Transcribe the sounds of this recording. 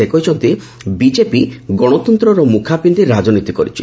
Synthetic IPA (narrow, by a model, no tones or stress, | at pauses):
ekɔjt͡ʃʰɔnt̪i | bid͡ʒepiɡɔɽ̃ɔt̪ɔnt̪ɾɔɾɔmukʰapind̪iɾad͡ʒɔnit̪ikɔɾḭt͡ʃʰḭ